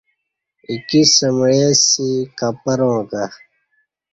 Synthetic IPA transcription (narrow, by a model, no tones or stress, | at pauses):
ikisɐmɻesikɐpɐɾõːka